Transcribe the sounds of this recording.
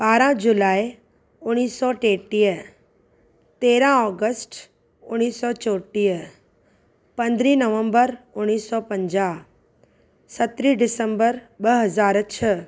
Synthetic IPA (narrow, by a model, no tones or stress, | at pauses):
baːɾãd͡ʒulaːi | ʊɽ̃iːsːɔʈeːʈiːjə | t̪eːɾãɔːɡəsʈ | ʊɽ̃iːsːɔt͡ʃoːʈiːə | pɐ̃nd̪ɾiːnəʋə̃mbəɾʊɽ̃iːsːɔpə̃ɲd͡ʒa | sɐt̪ɾiɖɪsə̃mbəɾɓəɦɐzaːɾt͡ʃʰə